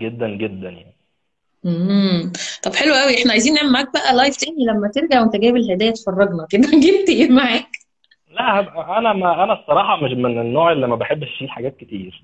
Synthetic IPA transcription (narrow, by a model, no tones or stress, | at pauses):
ɡed̪ːænɡed̪ːænjaʕni | e | t̪ˤɑbħelwæʔæwiʔeħnæʕajziːnːeʕemaʕæːk̚bæʔælɑjft̪eːnlæmːæt̪eɾɡæʕwent̪æɡæːbelhed̪æːjæt̪e̥fɑrˤːɑɡnɑked̪æɡeb̚t̪iemaʕæːk | læʔhæbʔænæmæʔænæsˤːɑɾˤɑːħɑmeʃmenenːoːʕelːimæbeħebːeʃiːlħaɡæːt̪̚ket̪iːɾ